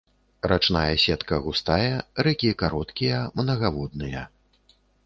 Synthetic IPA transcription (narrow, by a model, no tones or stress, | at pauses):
ɾat͡ʂn̪ajɛsʲɛt̪kɐɣust̪ajɛɾɛkʲikaɾɔt̪kʲijɐmnɐɣavɔd̪nɨjɐ